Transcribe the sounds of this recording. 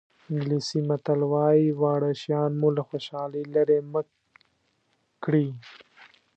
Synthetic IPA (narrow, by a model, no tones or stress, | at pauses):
ɪŋɡlisimat̪alwɑjiwɑːɽaʃjɑnmulaxoʃɑlilaɾemə | kɽi